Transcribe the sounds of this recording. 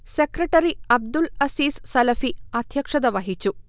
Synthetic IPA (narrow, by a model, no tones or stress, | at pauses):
sekɾɐʈːɐɾiɐb̚d̪ulɐsiːssɐlɐfiɐd̪ʱjɐkʂɐd̪ɐʋɐɦit͡ɕːu